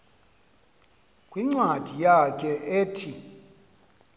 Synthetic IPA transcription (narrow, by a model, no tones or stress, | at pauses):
kʼwiŋ͡ǀwad̥ʱijak̬ʼɛʔeːtʰi